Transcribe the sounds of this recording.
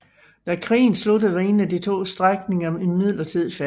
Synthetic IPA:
d̥ækʰʁḭːn̩slud̥əð̩ˠʋɑe̝̰ːnæd̥it͡sʰo̝̰ːsd̥ʁaɡ̥ne̝ŋɐmenmið̰ˠlɐt͡sʰið̰ˠfæ

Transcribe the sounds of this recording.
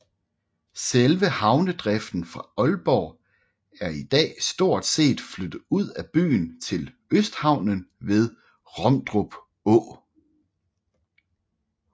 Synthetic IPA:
selʋəhɑ̈ʊnəd̥ʁɛfd̥n̩fʁɑ̈ɒ̽lb̥ɒː | æɐid̥ɛ̰ːsd̥o̝ɐ̰d̥se̝̰ːd̥flød̥ð̩ˠuð̰ˠæb̥y̰ːnt͡sʰe̝l | øsd̥hɑ̈ʊ̰nənʋe̝ð̞ˠ | ʁɒ̽md̥ʁob̥ | ɔ̰

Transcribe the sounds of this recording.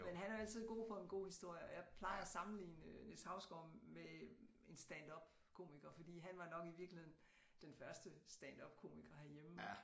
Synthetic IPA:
menɦænæɐæl̰t͡sið̞̰ˠɡ̥o̝̰ːfɒ̽e̝nɡ̥o̝̰ːhisd̥o̝ɐ̰jəɒ̽jɑ̈ɪpʰlɑ̈ɪɐæsɑ̈mn̩lḭːnəneshɑ̈ʊsɡ̥ɒ̰me | e̝nsd̥ænd̥ɒ̽b̥ | kʰo̝̰ːmiɡ̥ɐfɒ̽d̥ḭːɦænʋɑ̈nɒ̽ɡ̥iʋiɐɡ̥lihe̝ð̰ˠn | d̥enfɶɐsd̥əsd̥ænd̥ɒb̥̚kʰo̝̰ːmiɡ̥ɐhæɐjemə

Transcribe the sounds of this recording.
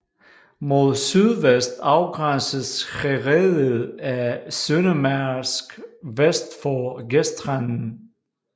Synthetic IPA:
mo̝ðˠsyðˠʋesd̥ɑ̈ʊɡ̥ʁansəsheʁeðˠəðˠæsønəmæsɡ̥ʋesd̥fɒɡesd̥ʁann̩

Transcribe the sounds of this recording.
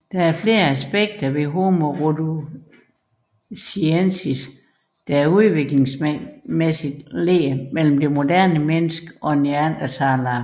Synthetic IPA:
d̥ææɐfle̝ːɐæsb̥eɡ̥̚d̥ɐʋe̝ɦo̝moʁod̥u | siensis | d̥ææɐuð̞ˠʋe̝ɡ̥le̝ŋsmesid̥leːmel̰m̩d̥e̝mo̝d̥æɐ̰nəmenəsɡ̥əʔɒ̽eniænd̥ɐt͡sʰɑ̈ːlɑ

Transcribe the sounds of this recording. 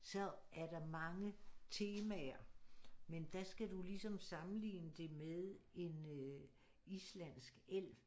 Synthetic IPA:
sɒ̽ | æɐɾ̥ɑ̈mɑ̈ŋət͡sʰe̝ːmæɐmend̥æsɡ̥ædulisɒ̽msɑ̈mn̩lḭːnəd̥e̝meðˠe̝nø | islæn̰sɡ̥el̰

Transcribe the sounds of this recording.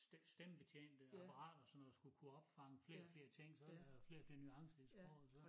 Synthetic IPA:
sd̥emb̥e̝t͡ɕʰḛːnd̥əɑ̈pʰɑ̈ʁɑ̰̈ːd̥ɐsɒ̽nːɒdusɡ̥ukʰuɒ̽b̥fɑ̈ŋəfle̝ːɐfle̝ːɐt͡sʰe̝ŋ̰sɒ̽dfle̝ːɐfle̝ːɐnyɑ̈ŋsəisb̥ʁɔ̰ʊð̩ˠsɒ̽

